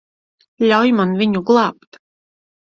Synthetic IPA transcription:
lʲawjmanvʲiɲuɡlˠaːp̚t̪

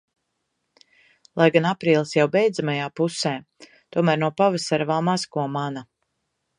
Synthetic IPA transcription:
lˠajɡanapɾiːlˠisjawbɛjd̪zamajaːpusɛː | t̪uɔmæːɾnuɔpavasaɾvaːmaskuɔmana

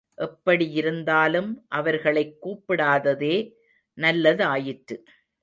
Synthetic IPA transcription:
ʔɛpːɐɽijɪɾɯnd̪aːlɯmʔɐʋɐɾɣɐɭɐɪkːuːpːɪɽaːðɐðeː | nɐlːɐðɯaːjɪʈɾɯ

